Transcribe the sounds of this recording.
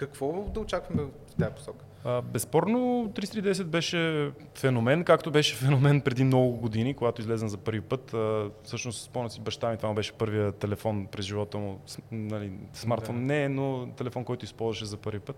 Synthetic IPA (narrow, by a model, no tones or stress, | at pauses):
kɐkvɔd̪ɐot͡ʃakvɐmɛ | ft̪ajəpo̥sɔkə̥ | əbɛspɔɾnot̪ɾisɾid̪ɛs̬ɛd̪̚bɛʃɛ | fɛnomɛnkakt̪obɛʃɛfɛnomɛnpɾɛd̪innɔɡʊɡod̪inikoɡat̪oizlɛzɛnzɐpɤɾvipɤt̪əfsɤʃnost̪spɔnɐt̪sibɐʃt̪amʲit̪ovaubɛʃɛ̥pɤɾvijət̪ɛlɛfɔnpɾɛzʒivɔt̪əmʊsnɐlismaɾt̪fɔnːɛnot̪ɛlɛfɔnkɔjt̪ʊispɔlˠzvəʃɛzɐpɤɾvipɤt̪